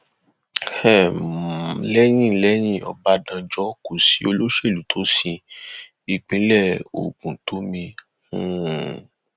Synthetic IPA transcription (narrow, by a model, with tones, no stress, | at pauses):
hɛ˦˨ | lɛ˦j̃ĩ˦˨lɛ˦j̃ĩ˦˨ɔ̰˨ba˨˧˦dã˧d͡ʒɔ˦ko˨si˨˦o˧lo˦ʃe˦˨lu˨˦tʰo˦sĩ˧ | i˨k͡pĩ˨˦lɛ˦˨o̰˨kũ˨to˨˦mĩ˧ | hũ˦